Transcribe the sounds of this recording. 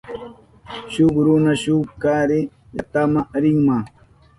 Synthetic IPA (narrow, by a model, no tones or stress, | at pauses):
ɕuɡɾunaɕuːb̚kaːɾi | jɐ̰t̪amaʔɾiŋma